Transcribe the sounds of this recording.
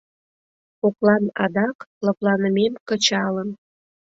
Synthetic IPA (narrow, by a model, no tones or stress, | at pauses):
oklɑnɑd̪ɑkləplɑnəmemkə̆t͡ɕɑlən